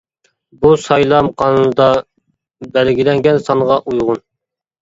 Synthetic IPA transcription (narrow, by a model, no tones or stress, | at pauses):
busɑjlˠɑmqʰɑnɨnɨd̪ɑ | bælɡʲilɛŋɡʲɛnsɑɴʁɑʔujʁʊn